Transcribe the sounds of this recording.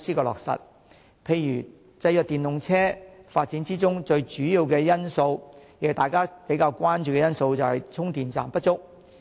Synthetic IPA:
siː˥kɔː˧lɔ̰ː˨k̚sɐ̰˨t̚ | pʰe˧jːyː˨˩ | t͡sɐ˧jœː˨k̚t̪iː˨˩nʊ˨ŋt͡sʰɛː˥faː˧t̚t͡si˨˥nt͡siː˥t͡sʊ˥ŋt͡ʃɵ˧ɥt͡ʃyː˨˥jiː˨˧wkɛː˧jɐ˥nso˧wjkjt̪aː˨jkaː˥pe˨˥jkaː˧wkʷaː˥nt͡ʃyː˨kɛ˧jɐ˥nso˧wt͡sɐ˨whɐ˨jt͡sʰʊ˥ŋt̪iː˨nt͡sa̰ː˨˩mpɐ˥t̚t͡ʃʊ˥k̚

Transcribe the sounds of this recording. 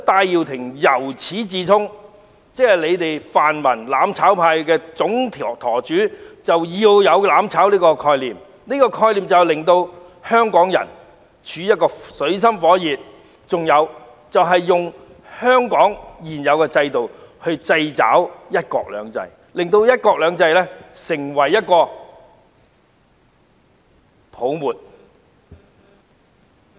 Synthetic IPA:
t̪aː˧jːiː˨wt̪ʰɪ˨˩ŋjɐ˨˩wt͡sʰiː˨˥t͡siː˨t̪ʰʊ˥ŋ | t͡sɛː˥hɐ˨jle˨˧jt̪e˨jfaː˨nmɐ˨˩nlaː˨˥mt͡sʰaː˨˥wpʰaː˧jkɛː˧t͡sʊ˨˥ŋt̪ʰiː˨˩˨t̪ʰɔː˨˩t͡ʃyː˨˥t͡sɐ˨wjiː˧wjɐ˨˧wlaː˨˥mt͡sʰaː˨˥wliː˥kɔː˧kʰɔː˧jliː˨˩m | niː˥kɔː˧kʰɔː˧jliː˨mt͡sɐ˨lɪ˨ŋt̪o˧w | hœː˥ŋkɔː˨˥ŋjɐ̰˨˩n | t͡ʃʰyː˨˥jɐ˥t̚kɔː˧sɵ˨˧˥ɥs̬ɐ˥mfɔː˨˥jiː˨t̚ | t͡sʊ˨ŋjɐ˨˧w | t͡sɐ˨wɦɐ˨jːʊ˨ŋ | hœː˥ŋkɔː˨˥ŋjiː˨˩njɐ˨˧wkɛː˧t͡sɐ˧jt̪o˨whɵ˧ɥt͡sɐ˧jt͡sa̰ː˨˥wjɐ˥t̚kɔ̰ː˧k̚lœ̰ː˨˧ŋt͡sɐ̰˧j | lɪ˨ŋt̪o˧wjɐ˥t̚kɔː˧k̚lœː˨˧ŋt͡sɐ˧jlɛː˥sɪ˨˩ŋwɐ˨˩jːɐ˥t̚kɔː˧ | pʰo˨˥wmuː˨t̚

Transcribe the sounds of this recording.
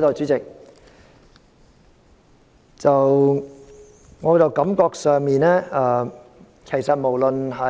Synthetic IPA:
t̪oː˨˧wt͡ʃy˨˥t͡sɪ˨k̚ | t͡sɐ˨w | ŋɔː˨˧˥t͡sɐ˨wkɐ˨˥mkɔː˧k̚sœː˨˧ŋmiː˨nɛː˥ɐː˧ | kʰe˨˩jsɐ˨t̚mo˨˩wlə˨nɦɐ˨˥

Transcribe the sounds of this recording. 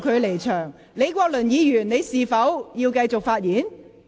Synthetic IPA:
kʰɵ˨˧ɥle˨˩jt͡ʃʰœː˨˩ŋ | le˨˧jkʷɔː˧k̚lɵ˨˩njiː˨˧jyː˨˩nne˨˧jsiː˨fɐ˨˥wjiː˧wkɐ˧jt͡sʊ˨k̚faː˧t̚jiː˨˥n

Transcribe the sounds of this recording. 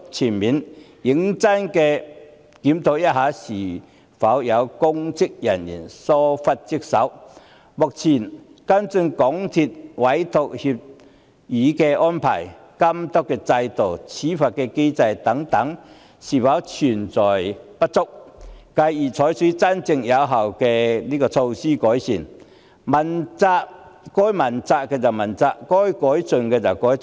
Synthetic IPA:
t͡sʰi˨˩nmiː˨˥nji˨˥ŋt͡sɐ˥nkɛː˧ | kiː˨˥mt̪ʰo˨˧wjɐ˥t̚haː˨˥siː˨˩ | fɐ˨˥wjɐ˨˧wkʊ˥ŋt͡sɪ˥k̚jɐ˨˩njḭ˨˩nsɔː˥fɐ˥t̚t͡si˥k̚sɐ˨˥w | mʊ˨k̚t͡sʰiː˨˩n | kɐ˥nt͡sɵ˧nkɔ˨˥ŋt̪ʰi˧t̚wɐ˨˥jt̪o˨k̚hi˧p̚ | jiː˨˥kɛː˧ʔɔː˥npʰa̰ː˨˩j | kɐ˥mt̪ɔ˥kːɛː˧t͡sɐ˧jt̪o˨˩wt͡sʰi˨˦fa˨t̚kɛ˧ke˥jt͡sa˧jt̪a˨˦ŋt̪a˨˧˦ŋ | si˨˩fa˨˥wt͡ɕʰy˨˩nt͡sɔ˨˩jpɐ˦˥t̚t͡sʊ˥k̚ka˧jiː˨˩t͡sʰɔː˨˥jsiː˨˦˥t͡sa˥nt͡sɪ˧ŋja˨˧˥wɦa˨˩wkɛ˧liː˥kɔː˧t͡sʰo˧wsiː˥kɔː˨˦˥jsḭ˨˩n | mɐ˨nt͡sa˧ʔkɔ˦˥jmɐ˨˩nt͡sa˧ʔ̚kɛ˧t͡sa˨˩mɐ˨˩nt͡sa˧ʔkɔ˦jkɔ˨˥jt͡sɵ˨ŋkɛ˧t͡sa˨˩kɔ˨˦˥j

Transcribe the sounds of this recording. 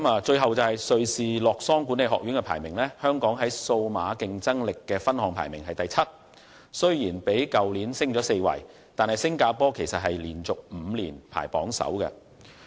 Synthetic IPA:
maː˨˧t͡ʃɵ˧ɥɦɐ˨wt͡sɐ˨whɐ˨jsɵ˨˧ɥsiː˨lɔː˨k̚sɔː˥ŋkuː˨˥ne˨˧jɦɔː˨k̚ɥyː˨˥nkɛ˧pʰa̰ː˨˩jmɪ˨˩ŋlɛː˥hœː˥ŋkɔː˨˥ŋɦɐ˨˥jso˧wma̰ː˨˧˥kɪ˧ŋt͡sɐ˥ŋlɪ˨kːɛː˧fɐ˥nhɔː˨˧ŋpʰa̰ː˨˩jmɪ˨˩ŋɦɐ˨jt̪ɐ˨jt͡sʰɐ˥t̚ | sɵ˥ɥjiː˨˩npe˨˥jkɐ˨wliː˨˥nsɪ˥ŋt͡sɔː˨˥se˧jwɐ̰˨˩j | t̪aː˨nhɐ˨jsɪ˥ŋkaː˧pɔː˥kʰe˨˩jsɐ˨t̚ɦɐ˨jliː˨˩nt͡sʊ˨k̚m̩ː˨˧liː˨˩npʰa̰ː˨˩jpɔ̰ː˨˥ŋsɐ̰˨˥wkɐ̰˧

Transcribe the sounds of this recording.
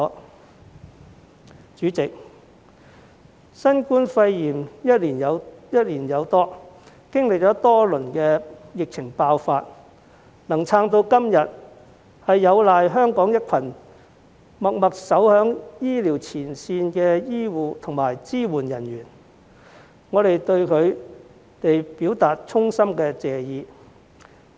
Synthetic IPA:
t͡ʃyː˨˥t͡sɪ˨k̚ | sɐ˥nkuː˥nfɐ˧jjiː˨˩mjɐ˥t̚liː˨˩njɐ˨˧wjɐ˥t̚liː˨˩njɐ˨˧wt̪ɔː˥ | kɪ˥ŋlɪ˨k̚t͡ʃɔː˨˥t̪ɔː˥lɵ˨˩nkɛː˧jɪ˨k̚t͡sʰɪ˨˩ŋpaː˧wfaː˧t̚ | nɐ˨˩ŋt͡sʰaː˧ŋt̪o˧wkɐ˥mjɐ˨t̚ | hɐ˨jːɐ˨˧wlaː˨jɦœː˥ŋkɔː˨˥ŋjɐ˥t̚kʰɐ˨˩n | mɐ˨k̚mɐ˨k̚sɐ˨˥whœː˨˥ŋjiː˥liː˨˩wt͡sʰiː˨˩nsiː˧nkɛː˧jiː˥wuː˨t̪ʰʊ˨˩ŋmaː˨˩jt͡siː˥wuː˨˩njɐ˨˩njyː˨˩n | ŋɔː˨˧ɾe˨jt̪ɵ˧ɥkʰɵ˨˧ɥ | t̪e˨jpiː˨˥wt̪aː˨t̚t͡sʰʊ˥ŋsɐ˥mkɛː˧t͡sɛː˨jiː˨˧

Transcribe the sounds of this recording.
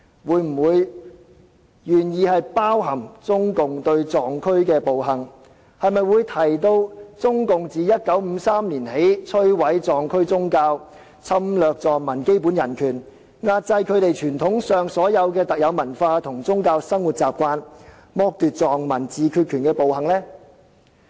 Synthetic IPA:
wuː˨˧˥jm̩˨˩wuː˨˧j | jyː˨˩njiː˨˧hɐ˨jpaː˥wɦɐ˨˩mt͡sʊ˥ŋkʊ˨ŋt̪ɵ˧ɥt͡sɔː˨˩ŋkʰɵ˥ɥkɛː˧po˨wɦɐ˨˩ŋ | hɐ˨jmɐ˨jwu˨˧jt̪ʰɐ˨˩jt̪o˧wt͡sʊ˥ŋkʊ˨ŋt͡siː˨jɐ˥t̚kɐ˨˥wm̩ː˨˧saː˥mliː˨˩nhe˨˥jt͡sʰɵ˥ɥwɐ˨˥jt͡sɔː˨ŋkʰɵ˥ɥt͡sʊ˥ŋkaː˧w | t͡sʰɐ˥mlœː˨k̚t͡sɔː˨˩ŋmɐ˨˩nke˥jpuː˨˥njɐ˨˩nkʰyː˨˩n | ŋaː˧t̚t͡sɐ˧jkʰɵ˨˧ɥt̪e˨jt͡ʃʰyː˨˩nt̪ʰʊ˨˥ŋsœː˨ŋsɔː˨˥jɐ˨˧wkɛː˧t̪ɐ˨k̚jɐ˨˧wmɐ˨˩nfaː˧t̪ʰʊ˨˩ŋt͡sʊ˥ŋkaː˧wsɐ˥ŋwu˨t̚t͡saː˨p̚kʷaː˧n | mɔː˧k̚t̪yː˨t̚t͡sɔː˨ŋmɐ˨˩nt͡siː˨˧kʰyː˧t̚kʰyː˨˩nkɛː˧po˨whɐ˨˩ŋlɛː˥

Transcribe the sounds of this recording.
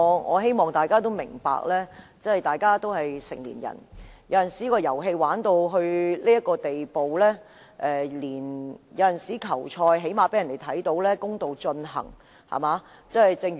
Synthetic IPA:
ŋɔ̰ː˨˧ɦe˥jmɔː˨ŋt̪aː˨˩jkaː˥t̪̬o˥wmɪ˨˩ŋpa̰ː˧˨k̚lɛː˥ | t͡sɐ˥hɐ˨jt̪aː˨jkaː˥t̪o˥wɦɐ˨jsɪ̰˨˩ŋlḭː˨˩njɐ̰˨˩njɐ˨˧wjɐ˨nsiː˨˦˥kɔː˧jɐ˨˩wɦe˧jwaː˨˥nt̪o˧wɦɵ˧ɥliː˥jɐ˥t̚kːɔː˧t̪e˨jpo˨wlɛː˥ | ʔɛː˨˩liː˨˩njɐ˨˧wjɐ˨nsiː˨˥kʰɐ˨˩wt͡ʃʰɔː˧jɦe˨˥jmaː˨pe˨˥jɐ˨˩nd̪e˨jt̪ʰɐ˨˥jt̪o˨˥wlɛː˥kʊ˥ŋt̪o˨wt͡ʃɵ˧nɦɐ̰˨˩ŋ | hɐ̰˨˩maː˨˧ | t͡sɐ˥ɐ˨jt͡sɪ˧ŋ

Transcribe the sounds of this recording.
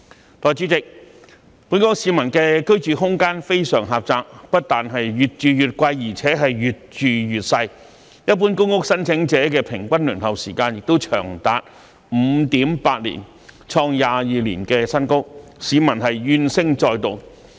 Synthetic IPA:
t̪ɔː˨˩jt͡ʃyː˨˥t͡sɪ˨k̚ | puː˨˥nkɔː˥ŋsiː˨˧mɐ˨˩nkɛː˧kɵ˥ɥt͡ʃyː˨ɦʊ˥ŋkaː˥nfe˥jsœː˨˩ŋɦaː˨p̚t͡saː˧k̚pɐ˥t̚t̪aː˨nɦɐ˨jɥyː˨t̚t͡ʃyː˨jyː˨˩t̚kʷɐ˧jjiː˨˩t͡sʰɛː˨˥ɦɐ˨jɥyː˨t̚t͡ʃyː˨jyː˨t̚sɐ˧j | jɐ˥t̚p̬uː˥nkʊ˥ŋkʊ˥k̚sɐ˥nt͡sʰɪ˨˥ŋt͡sɛː˨˥kɛː˧pʰɪ˨˩ŋkʷɐ˥nlyː˨˩nhɐ˨wsiː˨˩kaː˧njɪ˨k̚t̪o˥wt͡ʃʰœ̰ː˨˩ŋt̪aː˨˧˥t̚ | m̩˨˧˦t̪iː˨˥mpaː˧t̚lḭː˨˩n | t͡ʃʰɔː˧ŋjaː˨jiː˨lḭː˨˩nkɛː˧sɐ˥nkʊ˥siː˨˧mɐ˨˩nɦɐ˨jjyː˧nsɪ˥ŋt͡sɔː˧jt̪o˨˩w

